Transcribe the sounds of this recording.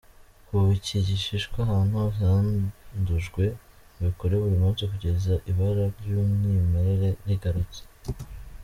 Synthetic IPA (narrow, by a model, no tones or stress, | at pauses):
kuβiciɟiʃiʃkwaɦaːn̥huhaːnduʒɡwe̞ | βikoɾeβuɾimuːnsikuɟe̞zaʔiβaɾaɾjumnimeɾeɾe̞niɡaɾut͡se̥